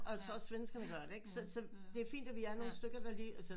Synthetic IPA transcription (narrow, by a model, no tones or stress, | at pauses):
ɒjat͡sʰʁo̝ɐsʋensɡ̥ɐnəɡ̥ɶɐd̥e̝eɡ̥sɒ̽sɒ̽ | d̥e̝æɐfḭːnd̥æʋiæɐno̝ːn̩sd̥øɡ̥ɐd̥ɑ̈liːælsə